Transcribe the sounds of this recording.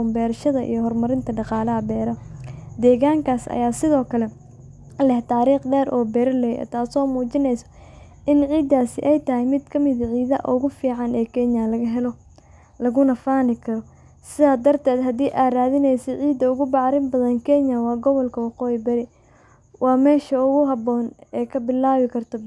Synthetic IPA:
mbɛːɾʃɐðɐʔḭjɔɦɔrmɐɾɪnt̪ʰɐɖɑqɑːlɐɦɐbɛːɾɐd̪ɛːɣaːŋkʰaːsɐ̰jaːsɪðɔːkʰɐlɛ | lɛht̪ʰaːɾiːqɖɛːɾʔɔːbɛːɾlɛjɛɛ̰t̪ʰaːsɔːmuːt͡ʃɪnɛjsɔ̥ | ʔɪnʕiːd̪ːaːsɪ̰ʔɛjt̪ɐɦɪjmɪd̪kʰɐmɪðɐʕiːðɐ̰ʔʊ̰ɣʊfiːʕɑnɛːkʰɛːnjɐlɐɣɐɦɛlɔ | lɐɣʊnɐfaːnɪkʰɐɾɔ | sɪðaːd̪ɐrt̪ʰɛːd̪ɦɐd̪iːʔaːraːðɪnɛjsɐʕiːd̪ɐʊɣʊbɑʕɾɪnbɐðɐnkʰɛːnjɐwɑːɡɔβɔlkʰɐwɑqɔːjɪbɐɾɪ | wʔɑːmɛːʃɐʊɣʊɦɐbɔːnɛːkʰɐbɪlːaːβɪkʰɐrt̪ʰɔ

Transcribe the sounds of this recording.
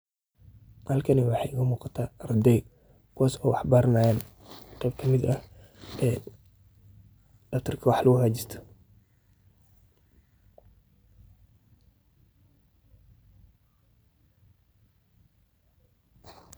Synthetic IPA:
hɐlkʰɐniwɑħɑɣɐmuːqɑt̪ʰaːrd̪ɛj | kuwaːsɔːwɑħbaːɾnaːjaːn | qɛːb̚kʰɐmɪd̪ɐh | ɛː | dɐft̪ʰɐrkʰɐwɑħlɐɣʊhaːd͡ʒɪst̪ʰɐ̥

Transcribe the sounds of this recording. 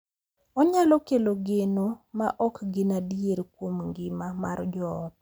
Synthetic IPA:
ɔɲalɔkeloɡenomaʔɔkɡɪnadieɾkwomŋɡɪmamard͡ʒɔːt

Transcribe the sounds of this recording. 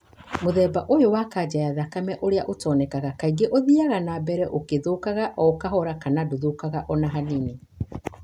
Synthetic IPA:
moðɛːbaʔojowakad͡ʑajaðakamɛʔoɾeaʔotɔːnɛkaɣakaiɡeʔoðiaɣanabɛɾɛʔokeðokaɣaʔɔokaɦɔɾakanadoðokaɣaʔɔnaɦanine

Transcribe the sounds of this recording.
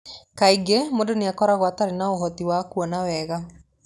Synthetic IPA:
kaiɡemodoneakɔɾaɣwataɾenaoɦɔtiwakuɔnawɛːɣa

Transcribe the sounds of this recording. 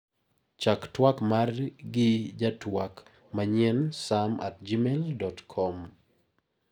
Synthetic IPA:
t͡ʃaktwakmarɡɪd͡ʒatwak | maɲjɛnsama̰t̚d͡ʒimeldɔtkʰɔm

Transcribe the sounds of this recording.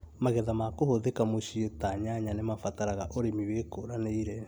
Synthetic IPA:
maɣɛðamakohoðekamoɕietaɲaɲanemafataɾaɣaʔoɾemiwekoɾaneiɾɛ

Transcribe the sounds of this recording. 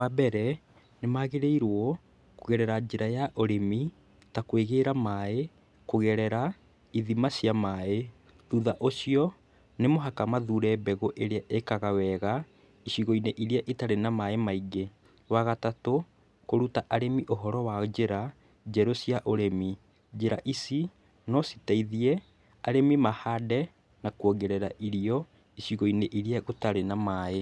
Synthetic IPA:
abɛɾɛ | nemaɣeɾeiɾwɔ | koɣɛɾɛɾad͡ʒeɾajaʔoɾemi | takweɣeːɾamae | koɣɛɾɛɾa | iðimasjamae | ðuðaʔosiɔ | nemoɦakamaðuːɾɛbɛɣoʔeɾeaʔekaɣawɛɣa | iɕiɣoineʔiɾiaʔitaɾenamaemaiɡe | waɣatato | koɾutaʔaɾemiʔoɦɔɾɔwad͡ʒeɾa | d͡ʒɛɾosiaʔoɾemi | d͡ʒeɾaʔisi | nɔsi̥taiðiɛ | aɾemimahadɛ | nakwoɡeɾɛɾaʔiɾiɔ | iɕiɣoineʔiɾiaɣotaɾenamae

